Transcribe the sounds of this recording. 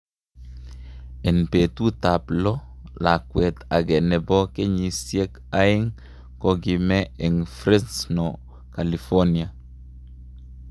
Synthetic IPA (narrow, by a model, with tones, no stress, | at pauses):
ɛ˨npet̪u˦taplɔ˦ | la˨kwɛt̪a˨ɡɛ˨nɛ˨bɔ˦ke˦ɲi˨sje˦k | aɪŋ | koɡimɛɛ˨ŋfɾe˦nsnɔ | kalifɔ˦nia